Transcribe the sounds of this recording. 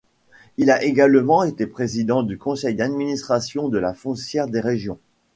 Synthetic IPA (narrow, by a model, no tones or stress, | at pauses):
ilaʔeɡalmɑ̃et̪epχezid̪ɑ̃d̪ykɔ̃sɛjd̪ad̪minist̪χasjɔ̃d̪əlafɔ̃sjɛʁd̪eʁeʒjɔ̃